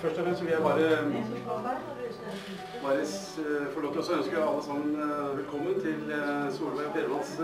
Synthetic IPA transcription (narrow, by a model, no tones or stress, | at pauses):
fœʂʈɔfɾɛmst̪fɪljæɪbɑːɾə | ʋɑɾə | fɔɭoːt̪əɾɔsɔœnskəɑlːəsɑmənʋɛlkʰɔmːənt̪ʰɪlsuːləʋæɪɾɔpʰeːɾəʋ̪ɑns